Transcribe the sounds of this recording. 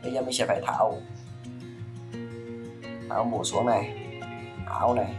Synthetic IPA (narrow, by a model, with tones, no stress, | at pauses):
ɛ˧ja˧˩ma˧˩˨si˧˩pʰa˨˧˩jt̪ʰa̰ː˨˦˥w | t̪ʰa̰ː˨˦˥wbuː˨˩su˨˦əŋna˧˩j | ha̰ː˨˦wna˧˩j